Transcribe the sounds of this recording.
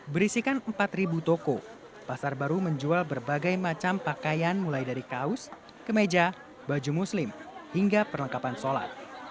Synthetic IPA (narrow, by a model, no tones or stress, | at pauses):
bəɾisikanəmpat̪ribut̪oko | pasarbaɾuməɲd͡ʒualbərbaɡajmat͡ʃampakajanmulajdaɾikaʊs | kəmed͡ʒa | bad͡ʒumuslɪmhiŋɡapərləŋkapansola̰t̪̚